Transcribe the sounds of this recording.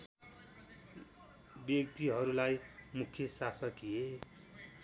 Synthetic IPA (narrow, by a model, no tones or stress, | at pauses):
bjʌkt̪iɦʌɾulajmukʰjʌsasʌkie